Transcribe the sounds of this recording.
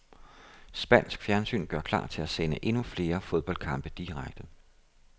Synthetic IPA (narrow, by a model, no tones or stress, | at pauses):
sb̥æn̰sɡ̥fjæɐnsy̰ːnɡ̥ɶɐkʰlɑ̰̈ːt͡sʰe̝læsenəʔe̝nufle̝ːɐfo̝ð̞ˠb̥ɒ̽ld̥̚kʰɑ̈mb̥əd̥iʁaɡ̥̚d̥ə